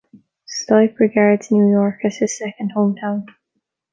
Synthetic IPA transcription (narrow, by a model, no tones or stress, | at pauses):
stɔɪpɹɪɡaɹdznjuːjɔɹkəz̥ɪ̥sɛkə̃nd̥̚hõːmtʰãʊ̃n